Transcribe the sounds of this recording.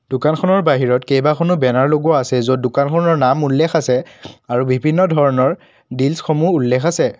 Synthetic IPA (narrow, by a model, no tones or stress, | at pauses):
d̥ʊkankʰɔnɔɹbaɦiɹɔtkejbakʰonʊbɛnaɹloɡuɔasɛzodʊkankʰɔnɔɹnamulːɛxasɛaɹubʱibʱinːɔdʱɔɹɔnɔɹ | dilsxomuːlːɛxasɛ